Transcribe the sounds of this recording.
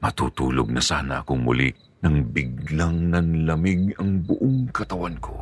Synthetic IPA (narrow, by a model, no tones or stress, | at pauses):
mɐt̪uːt̪uːloɡ̚nɐsaːnɐʔɐkoŋmʊ̰lḭ | nɐŋbɪɡlaŋnɐnlɐmɪɡɐŋbʊʔoŋkɐt̪ɐwankʰo̞̰